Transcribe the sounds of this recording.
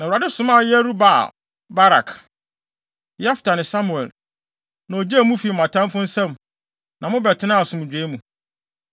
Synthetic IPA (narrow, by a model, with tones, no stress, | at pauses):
nã˨ɾa˨dɪ˦sʊ̃˦mã˦˨jɛ˦ɾu˦ba̰˨ | ba˦ɾa̰˨k | jɛ˦fɪ̥˨tʰa˨nɪ̃˨sa˦mu˨ɛ˨l | nã˨o˨d͡ʑe˦˨mũ˦fi˨mã˨tʰã˦m˦fʊ̃˦n̩˦sɛ̃˦m | nã˨mʊ̃˦bɛ˨tʰɪ˦nã˦˨sʊ̃˨m˨d͡ʑᶣeː˨˦mũ˨